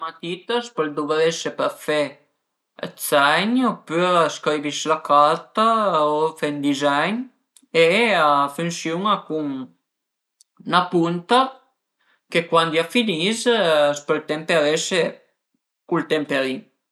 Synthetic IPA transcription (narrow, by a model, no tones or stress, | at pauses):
mat̪it̪aspəld̪uveɾeʃepəfḛ | t͡sːajɲopyaskɾiviʃlakaɾt̪aofend̪izajɲ | eafunsjuŋakuŋ | napunt̪a | kekwand̪iafinizsplt̪ɛmpaɾeʃe | kult̪ɛmpaɾi